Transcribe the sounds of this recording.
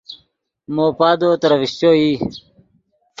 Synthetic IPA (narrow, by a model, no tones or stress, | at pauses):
moːpaːd̪oːt̪ɐɾɐʋiɕt͡ɕoi